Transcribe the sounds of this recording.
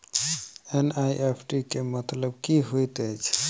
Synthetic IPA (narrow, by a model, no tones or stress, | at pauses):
enajʔepʰʈikemət̪ləb̚kiɦojt̪əjt͡ʃʰ